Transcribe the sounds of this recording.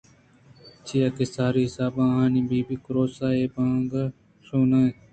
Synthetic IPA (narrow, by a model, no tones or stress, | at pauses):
t͡ʃʰiːaːkeːsaːɾiːɦɪsaːbãːɦãːnĩːbiːbiːkʊɾoːsaːeːbãːŋɡa | sõːnaːẽː